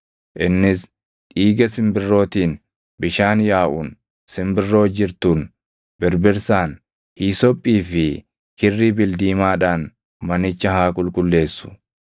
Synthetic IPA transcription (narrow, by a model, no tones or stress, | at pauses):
ʔɪnːɪs | ᶑiːɡɐsɪmbɪrːo̞ːt̪iːn | bɪʃaːnjaːʔʊn | sɪmbɪrːo̞ːd͡ʒɪɾt̪uːn | bɛɾbɪɾsaːn | hiːsɔpʼːiːfɪ | kɪrːiːbɪld̪iːmaːᶑaːn | mɐnɪt͡ʃːɐhaːkʼʊlkʼʊlːe̞ːsːʊ̥